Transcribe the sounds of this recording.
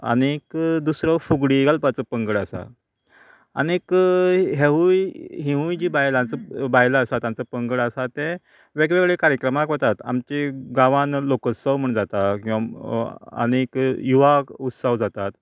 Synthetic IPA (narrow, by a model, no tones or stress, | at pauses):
a̰nekd̪usɾəfuɡɽiɡalpat͡səpəŋɡəɽasa̰ | a̰nekɦeɦujɦĩɦũjd͡ʑibajlãnt͡səbajlaːsat̪jãnt͡səpəŋɡəɽəsat̪ẽ | ʋeɡʋeɡɭekaɾjəkɾəmakʋət̪at̪a̰mt͡ɕeɡaʋãnlokəsːəwm̤əɳd͡zat̪akĩw̃ʋa | ə̰nekjuʋaut̪saʋd͡zat̪at̪